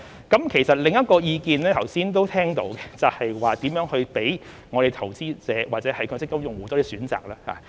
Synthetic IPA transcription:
kɐ˨˥mkʰe˨˩jsɐ˨t̚lɪ˨ŋjɐ˥t̚kɔː˧jiː˧kiː˨nlɛː˥t̪ʰɐ˨˩wsiː˥nt̪o˥wt̪ʰɛː˥ŋt̪o̰˨˥wɡɛ˧t͡sɐ˨whɐ˨jwaː˨˩t̪iː˨˥mjœː˨˥ŋhɵ˧ɥpe˨˥j | ŋɔː˨˧ɾe˨jt̪ʰɐ˨˩wt͡siː˥t͡sɛː˨˧waː˨t̚t͡sɛː˨˥hɐ˨jkʰɵ˨˧˥t͡sɪ˥kːɐ˥mjʊ˨ŋwu˨˩t̪ɔː˨˥di˨˧syː˨˥nt͡sa̰ː˨k̚laː˥ha̰ː˨

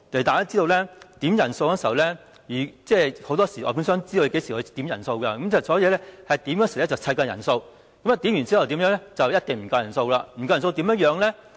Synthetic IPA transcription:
t̪e˨˩t̪aː˨˩jaː˥t͡siː˥t̪o˧wlɛː˥t̪i˨˥mjɐ˨˩nso˧wkɔː˥si˨˩˨ɐ˨wlɛ˥ | jyː˨˩t͡sɛː˥˧˩ho˨˥wt̪ɔː˥siː˨˩ɔ̰˧pʰʊ˨˥sœː˥ŋt͡siː˥do˧ke˨˥jsiː˨˩hɵ˧t̪i˨˥mjɐ˨˩nso˧wkɐ˧kɐ˧˦mkʰi˨˩ɐ˨˩sɔː˨˥jɛː˧lɛ˥hɐ˨jt̪iː˨˥mjœː˧˥siː˨lɛː˥t͡sɐ˨wt͡sʰɐ˧jkɔː˧jɐ̰˨˩nso˧w | kɐ˨˥mɐ˨˧t̪i˨˥mjyː˨˩nt͡siː˥hɐ˨wt̪iː˨˥mjœː˨˥ŋlɛ˥t͡sɐ˨wjɐ˥t̚t̪ɪ˨ŋm̩˨˩kɐ˧wjɐ˨˩nso˧wlaː˧m̩˨˩kɐ˧wso˧wt̪iː˨˥mjɐ˧˥ŋ̚jœː˨˧˥ŋlɛ˥

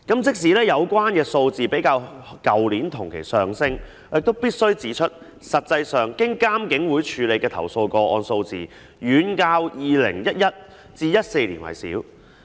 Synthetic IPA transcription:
kɐ˨˥mt͡sɪ˥k̚s̬iː˨˥lɛː˥jɐ˨˧wkʷaː˥nkɛː˧so˧wt͡siː˨pe˨˥jkaː˧wkɐ˨wliː˨˥nt̪ʰʊ˨˩ŋkʰḛ˨˩jsœː˨ŋsɪ˥ŋ | jɪ˨k̚t̪o˥wpiː˥t̚sɵ˥ɥt͡siː˨˥t͡ʃʰɵ˥t̚ | sɐ˨t̚t͡sɐ˧jsœː˨ŋkɪ˥ŋkaː˥mkɪ˨˥ŋwuː˨˥jt͡ʃʰyː˨˧le˨˧jkɛː˧t̪ʰɐ̰˨˩wso˧wkɔː˧ʔɔː˧nso˧wt͡sḭː˨˩ | jyː˨˥nkaː˧wjiː˨˧lɪ̰˨˩ŋjɐ˥t̚jɐ˥t̚ | t͡siː˧jɐ˥t̚se˧jlḭː˨˩nwɐ̰˨˩jsḭː˨˥w

